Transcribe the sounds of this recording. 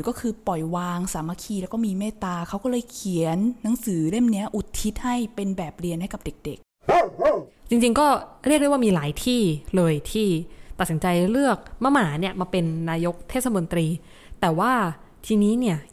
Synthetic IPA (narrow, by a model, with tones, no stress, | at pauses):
kɔː˥˩kʰɯː˧pɔ˨˩jwaː˧ŋsaː˩˦ma˧˥kʰiː˧lɛ˦˥wkɔː˥˩miː˧meː˥˩t̪aː˧kʰa˦˥wkɔ˥˩lɤː˧jkʰi˨˩˦ənːa˨˩˦ŋsɯː˩˦le˥˩mni˦˥ɐʔu˨˩t̪̚ʰːi˦˥t̪̚ha˥˩jpe˧nbɛː˨˩p̚ɾi˧ənɦa˥˩jka˨˩p̚de˨˩k̚de˨˩k̚ | t͡ɕi˧ŋt͡ɕi˧ŋkɔː˥˩ɾi˥˩k̚dwaː˥˩miː˧laː˩˦jt̪ʰiː˥˩lɤː˧jt̪ʰiː˥˩t̪a˨˩si˩˦nt͡ɕa˧jɾɯ˥˩ək̚ma˦˥˩maː˩˦ni˥˩əmaː˧pe˧nːaː˧jo˦˥k̚t̪ʰeː˥˩sa˧mo˧nt̪ɾiː˧ | t̪ɛː˨˩waː˥˩ | t̪ʰiː˧niː˦˥ni˥˩ɐ